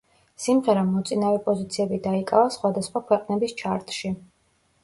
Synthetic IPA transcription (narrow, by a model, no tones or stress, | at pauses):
simʁɛɾamɔt̪sʼinavɛpʼɔzit̪sʰiɛbid̪aikʼavasχwad̪asχwakʰwɛqʼnɛbist͡ʃʰaɾt̪ʼʃi